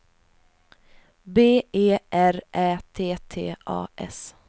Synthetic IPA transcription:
beːeːʔæɾʔæːt̪ʰeːt̪ʰeːʔɑ̰ːʔɛ̰s

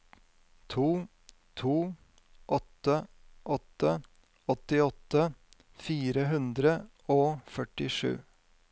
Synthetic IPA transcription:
t̪ʰuː | t̪ʰuː | ʔɔt̪ːə | ʔɔt̪ːə | ɔt̪ɪɔt̪ə | fiːɾəɦʉnd̪ɾə | oːfœʈɪʂʉ̰ː

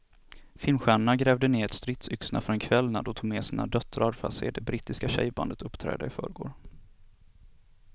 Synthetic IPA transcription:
fɪlmɧæːɳaɳaɡɾɛːvd̪əneːɾɛt̪st̪ɾɪt̪sʏksnʔa̰fœɾɛnkʰvɛlːnad̪ɔt̪ʰuːɡmɛːsiːna̰d̪œt̪ɾaɾfa̰sɛd̪ɛbɾiːt̪ɪskaɕɛ̰jba̰nd̪ət̪ɵpːt̪ʰɾɛ̰ːd̪a̰ɪfœ̰ːɾɡo̰ːɖ

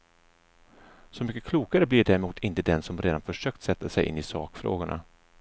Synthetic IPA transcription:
sɔmʏkːəkʰluːkaɾəblɪɖæːɾɛmuːt̪ʰɪnt̪əd̪ɛnsɔmɾeːd̪anfœʂøːk̚t̪sɛt̪ːasɛjʔɪ̰nːɪsɑ̰ːkfɾo̰ːɡʊɳʔa̰

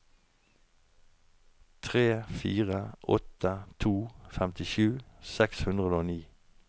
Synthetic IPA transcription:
t̪ʰʁeːfiːʁəʔɔt̪ət̪ʰuːfɛmt̪ɪʃʉːsɛkshʉnd̪ʁəoːniː

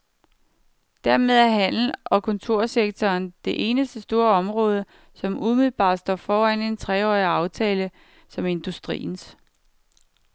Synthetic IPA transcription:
d̥æɐme̝ð̞ˠæɐɦæn̰l̩ʔɒ̽kʰɔ̽nt͡sʰo̝ɐ̰seɡ̥̚t͡sʰɒːnd̥e̝ʔe̝ːnəsd̥əsd̥o̝ːɐɒ̽mʁɔ̽ːð̞ˠə | sɒ̽mʔumiðl̩ˠb̥ɑ̰̈ːd̥sd̥ɒ̰ːfɒːæn̰e̝nt͡sʰʁɛɒːiɑ̈ʊt͡sʰɛːlə | sɒ̽me̝nd̥usd̥ʁḭːn̩s

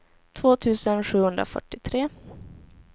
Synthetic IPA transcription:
t̪ʰvoːt̪ʰʉ̟ːsənɧʉ̟ːhɵnd̪ɾa̰fœ̰ʈːɪt̪ʰɾeː

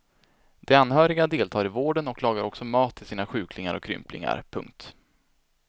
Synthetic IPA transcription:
d̪̥ɛanːhœːɾɪɡad̪eːlt̪ʰɑːɾɪvoːɖənɔklɑːɡaɾɔksɔmɑːt̪ʰːɪlsiːnaɧʉ̟ːkʰlɪŋaɾɔ̰kʰːɾʏ̰mplɪ̰ŋa̰ɾpʰɵ̰ŋk̚t̪

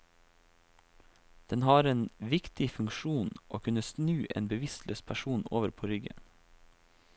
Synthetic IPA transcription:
d̪̥ɛnhɑːɾeːnʋɪkt̪ɪfʉŋkʃuːnʔoːkʰʉnəsnʉːʔḛːnbəʋɪslø̰ːspʰæʃuːno̰ːʋəɾpʰoːɾʏɡə̰n

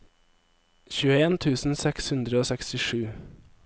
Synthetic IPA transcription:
çʉːəeːnt̪ʰʉːsn̩sɛkshʉnd̪ɾəoːsɛkst̪ɪʃʉː

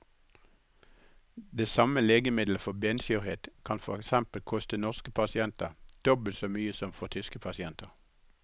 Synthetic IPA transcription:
d̪eːsɑməleːɡəmɪd̪ləfɔbensʏʁheːt̪kʰɑnfɔʁɛksɛmpəlkʰɔst̪ənɔʁskəpʰɑsɪɛnt̪əʁd̪̥ɔbəlt̪soːmyːəsɔmfɔt̪ʰʏskəpʰɑsɪɛnt̪əʁ

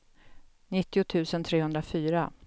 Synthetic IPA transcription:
nɪt̪ːɪʊt̪ʰʉ̟ːsənt̪ʰɾeːhɵnd̪ɾafyːɾa

